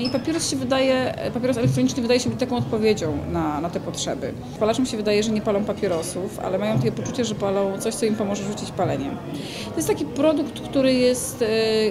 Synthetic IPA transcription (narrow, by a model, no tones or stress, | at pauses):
ipapʲɛɾɔsɕɛvɘd̪ajɛpapʲjɛɾɔsɛlɛk̚t̪ɾɔɲit͡ʂnɘvɘd̪ajɛɕɛbɘt͡ɕ̚t̪akɔ̃w̃ɔt̪̚pɔvʲjed͡ʑɔ̃w̃nanat̪ɛpɔtʂɛ̰bɘ̰ | palaʂɛmɕɛvɘd̪ajɛʐɛɲɛpalɔ̃w̃papʲjɛɾɔsufa̰lɛmajɔ̃t̪akʲɛpɔt͡ʂut͡ɕɛʐɛpalɔ̃w̃t̪sɔɕt̪sɔimpɔmɔʐɛʐut͡ɕit͡ɕpalɛɲɛ̰ | t̪ɔjɛst̪akʲipɾɔd̪ukt̪kt̪uɾɘjɛst̪